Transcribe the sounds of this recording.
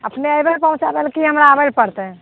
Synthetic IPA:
əpneəjbəlpə̃ũt͡ʃabelkiɦəmɾaːbəlpəɾt̪ɛ

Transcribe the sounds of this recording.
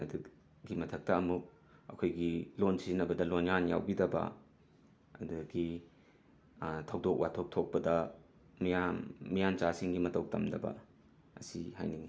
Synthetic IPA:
ɐ̰du | ɡimɐtʰɐk̚tɐɐmuk̚ | ɐ̰kʰojɡilonsinɐbɐdɐlonjanja̰wbidɐbɐ̰ | ɐ̰duɡi | tʰɐwdok̚watʰok̚tʰok̚pɐdɐ | mijamːijant͡ʃasiŋɡimɐtɐw̚tɐmdɐbɐ̰ | ɐsiha̰jniŋi

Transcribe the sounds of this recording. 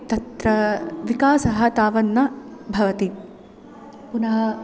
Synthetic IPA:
t̪ɐt̪ɾɐʋikaːsɐɦɐt̪aːʋɐnːɐbʱɐʋɐt̪i | punɐɦɐ

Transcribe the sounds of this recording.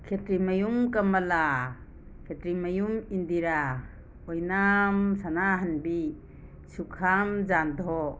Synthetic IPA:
kʰetɾimajumkamala | kʰetɾimajumindiɾa | ɔjnamsanaɦanbi | sukʰamd͡ʒandʱɔ

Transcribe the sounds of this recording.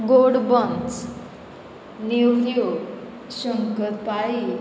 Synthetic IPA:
ɡoɽbənt͡s | niwjo | ɕəŋkət̪pai

